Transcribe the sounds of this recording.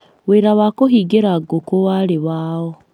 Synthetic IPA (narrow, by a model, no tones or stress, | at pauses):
weɾawakoɦiːɡeɾaɡokowaɾeβaːɔ